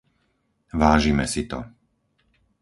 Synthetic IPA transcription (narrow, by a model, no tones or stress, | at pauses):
ʋaːʒimɛsit̪ɔ̰